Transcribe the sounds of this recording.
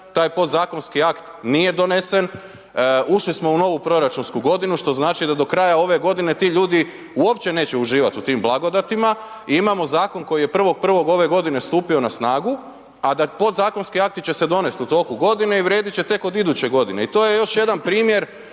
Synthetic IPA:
t̪aːjpo̞d̪zaːko̞nskiakt̪nije̞d̪o̞ne̞se̞n | uʃlismo̞uno̞ʋupɾo̞ɾat͡ʃunskuɡo̞d̪inuʃt̪o̞znaːt͡ʃid̪ad̪o̞kɾajao̞ʋe̞ɡo̞d̪ine̞t̪iːʎuːd̪i | uo̞pt͡ɕe̞ne̞ːt͡ɕeuʒiːʋat̪ut̪iːmblˠaɡo̞d̪at̪ima | iimamo̞zaːko̞nko̞jije̞pr̩ʋo̞ɡ̚pr̩ʋo̞ɡo̞ʋe̞ɡo̞d̪ine̞st̪uːpio̞nasnaːɡu | ad̪apo̞d̪zaːko̞nskiak̚t̪it͡ɕe̞se̞d̪o̞ne̞st̪ut̪o̞kuɡo̞d̪ine̞iʋɾje̞ːd̪it͡ɕet̪e̞ko̞d̪id̪ut͡ɕe̞ɡo̞d̪ine̞it̪o̞je̞jo̞ʃje̞d̪anpɾiːmje̞ɾ

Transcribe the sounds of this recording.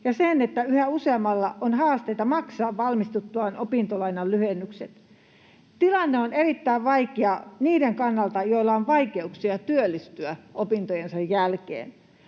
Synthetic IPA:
jɑsenet̪ːæyhæuseɑmːɑlːɑ̰ʔonhɑːst̪eit̪ɑmɑksɑːʋʋɑlmist̪ut̪ːuɑnʔopint̪olɑinɑllyhenːykset̪ | t̪ilɑnːeonerit̪ːæiʋʋɑikeɑniːdeŋkɑnːɑlt̪ɑjoilːɑonʋɑikeuksiɑt̪yølːist̪yæopint̪ojensɑjjælkḛːn

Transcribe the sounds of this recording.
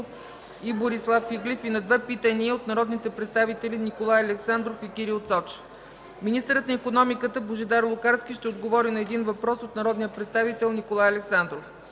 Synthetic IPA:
f | iboɾislˠafːiɡlʲɛfinɐd̪vɛpit̪əniəot̪̚nɐɾɔd̪nit̪ɛpɾɛt̪st̪avit̪ɛlʲinikolˠajɐlɛksand̪ɾofikʲiɾiot̪sɔt͡ʃɛ̥f | minist̪əɾət̪nɐikonɔmikət̪əboʒɛd̪aɾlˠʊkaɾskʲiʃt̪ɛod̪ɡovɔɾinɐɛd̪invɐpɾɔsot̪nɐɾɔd̪nijəpɾɛt̪st̪avit̪ɛlˠnikolˠajɐlɛksand̪ɾof

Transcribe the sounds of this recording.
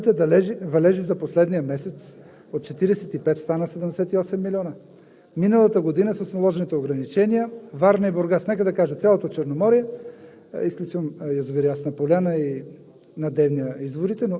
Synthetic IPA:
t̪ɛd̪ɐlɛʒivɐlɛʒizɐposlɛd̪nijəmɛsɛt̪s | ot̪̚t͡ʃɛt̪iɾɛsɛt̪ipɛt̪st̪anəsɛd̪ɛmd̪ɛsɛt̪iɔsɛmːilʲɔnə | minəlˠɐt̪əɡod̪inəsəsnɐlˠɔʒɛnit̪ɛoɡɾɐnit͡ʃɛnijəvaɾnɐiboɾɡasnɛkəd̪ɐkaʒət̪sʲalˠot̪ot͡ʃɛɾnomɔɾijɛ | isklʲut͡ʃəmjozovɛɾiasnɐpolʲanəi | nɐd̪ɛvnijəizvoɾit̪ɛno

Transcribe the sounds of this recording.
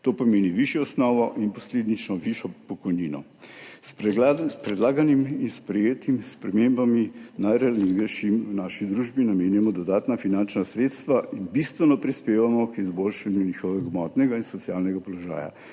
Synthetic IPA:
t̪oːpɔmeːniʋiʃjɔɔsnɔʋɔʔinpɔsleːd̪nit͡ʃnɔʋiʃɔpɔkɔjniːnɔ̰ | s | pɾɛd̪laːɡaniminspɾɛjeːt̪imspɾɛmembaminajɾɛalizɡɛjʃimwnaːʃid̪ɾuːʒbinameːnjamɔd̪ɔd̪aːt̪nafinant͡ʃnasɾeːt̪st̪ʋaʔinbist̪ʋɛnɔpɾispeːʋamɔkizbolʃanjunixɔʋɛɡmɔt̪nɛɡainsɔt̪sijaːlnɛɡapɔlɔʒa̰ːja̰

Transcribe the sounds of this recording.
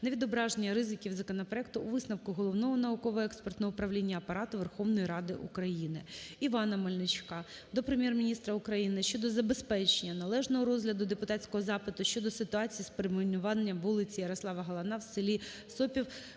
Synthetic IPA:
neʋʲid̪ɔbɾɑʒenʲːɐɾɪzɪkʲiwzɐkɔnɐpɾɔɛk̚t̪ʊːʋɪsnɐwkʊɦɔlˠɔʋnɔɦɔnɐʊkɔʋɔɛkspert̪nɔʊpɾɐʋlʲinʲːɐːpɐɾɑt̪ʊʋerxɔʋnɔjiɾɑd̪ɪ̰ʔṵkɾɐjinɪ̰iʋɑnɐmɔlʲnɪt͡ʃkɑd̪ɔpɾemjɛrmʲinʲist̪ɾɐʊkɾɐjinɪʃt͡ʃɔd̪ɔzɐbespɛt͡ʃenʲːɐnɐlˠɛʒnɔɦɔɾɔzɦlʲɐd̪ʊd̪epʊt̪ɑtʲt͡sʲkɔɦɔzɑpɪt̪ʊʃt͡ʃɔd̪ɔsɪt̪ʊɑt͡sʲijispeɾemnʲʊʋɑnʲːɐmʋulˠɪt͡sʲijɐɾɐslˠɑʋɐɦɐlˠɐnɑwsɪlʲi | sɔpʲiw

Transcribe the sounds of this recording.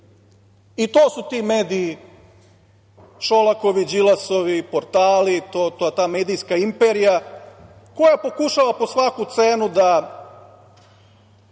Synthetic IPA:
it̪oːsut̪iːmeːd̪ii | ʃolako̞ʋid͡ʑilaso̞ʋipoɾt̪aːlit̪ot̪ot̪aːmeːd̪ijskaimpeɾija | ko̞japo̞kuʃaʋapo̞sʋakut̪seːnud̪a

